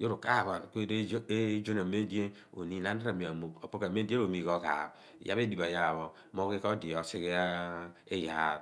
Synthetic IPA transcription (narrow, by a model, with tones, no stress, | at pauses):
jo˦ɾu˨ka˦˨βa˨ko˦d͡ʒo˦ne˨me˦n˦di˦e˦ | o̰˨ni˨˦na˦n˦da˦ɾa˨mi˨a˨mo˨o˨po˦ke˨me˦de˦o˨mi˨ko˦ka̰˨ | ja̰˦βe˦di˨ba˨ja˨βo˨ | mo˦ki˦ko˦di˨o˨si˦ɣe˦a˦e˦ja˨